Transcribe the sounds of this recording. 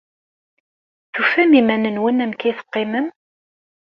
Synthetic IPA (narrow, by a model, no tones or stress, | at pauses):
θufæmimænənwənæmkæjθə̥qːɪməm